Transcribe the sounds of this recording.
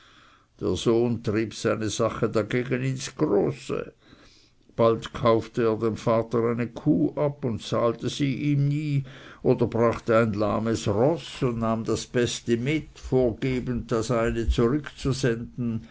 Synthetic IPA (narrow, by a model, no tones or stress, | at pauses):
d̥eːɐzoːntʁ̥iːpz̥aɪnəz̥aχədaɡeːɡənɪnsɡ̥ʁoːsə̰ | b̥altkʰaʊftəeːɐdemfaːtəʁaɪnəkʰuːʔapʊntt͡saːltəz̥iːʔiːmniːʔoːdɐbʁaχtəaɪnlaɐməsʁɔsʊndnaːmdasb̥ɛstəmɪtfoːɐɡeːbənd̚d̥asaɪnət͡suʁʏkt͡suzɛndn̩